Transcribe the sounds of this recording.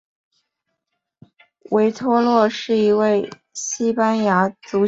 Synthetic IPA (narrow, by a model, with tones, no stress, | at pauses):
we˧˥ɪt̪ʰwɔ˥lwɔ˥˧ʂɻ̩˥˩i˧˥we˥˩ɪ | ɕi˥pa˥nja˧˥t͡su˧˥